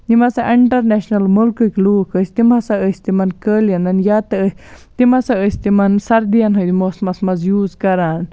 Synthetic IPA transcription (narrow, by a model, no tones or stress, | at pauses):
nimɐsaʔiɳʈɐɾneʃnɐlmulkɨkluːkʰəsʲt̪imɐsɐəsʲt̪imɐnkəːljɐnɐnjat̪ɐəs | t̪imɐsɐəsʲt̪imɐnsɐɾd̪ijɐnɦɐjd̪imoːsmɐsmɐzjuːzkɐɾaːn